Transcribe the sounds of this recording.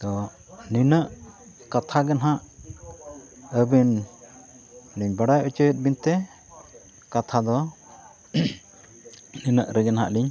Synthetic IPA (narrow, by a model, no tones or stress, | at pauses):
t̪ɔ | ninəʔ | kat̪ʰaɡɛnɦaʔ | əbin | liɲbaɽajʔət͡ʃəjət̪̚bint̪ɛ | kat̪ʰad̪ɔ | ninəʔɾɛɡɛnɦa̰ʔliɲ